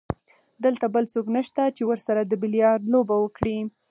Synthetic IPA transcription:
d̪əlt̪abəlt͡soknaʃt̪at͡ʃewəɾsaɾad̪əbɪljɑɾd̪lobawəkɽi

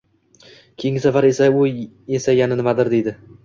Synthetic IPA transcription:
kʲʰejɪŋʲɪsafaɾesaʊ | esajanɪnɪmad̪ɪɾd̪e̞jd̪ɪ

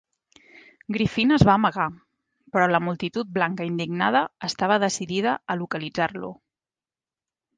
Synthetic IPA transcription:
ɡɾifinəzβaəːməɣ̞a | pɾɔləmulˠt̪it̪ut̪̚blaŋkəind̪iɡnaðəːst̪aβ̞əðəsiðiðəəlukəlid͡zarlṵ

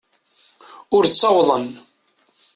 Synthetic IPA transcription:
ʊɾt͡ssˤɑwðˤən

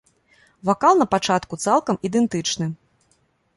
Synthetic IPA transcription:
vakalˠnɐpat͡ʂat̪kut̪salˠkɐmid̪ɛnt̪ɨt͡ʂnɨ

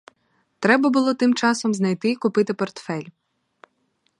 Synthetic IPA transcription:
t̪ɾɛbɐbʊlˠɔt̪ɪmt͡ʃɑsɔmznɐjt̪ɪikʊpɪt̪ɪpɔrt̪fɛlʲ

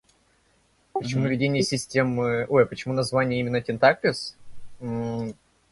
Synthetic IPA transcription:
pət͡ɕʲɪmuvʲɪdʲenʲɪjəsʲɪsʲtʲemɨojpət͡ɕɪmunɐzvanʲɪjəimʲɪnːətʲɪnt̪ak̚lʲɪs̩

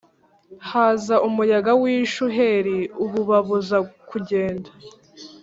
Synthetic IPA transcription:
haːzaʔumujaɡawiːʃuɦeɾiuβuβaβuzakʰuɟe̞ːndḁ

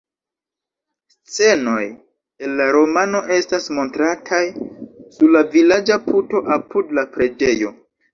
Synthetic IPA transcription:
st͡se̞no̞j | e̞nːaɾo̞mano̞ʔe̞stasmo̞ntɾatʰajsuɾlavilad͡ʒapʰuto̞ʔapudlapɾe̞d͡ʒe̞jo̞̰

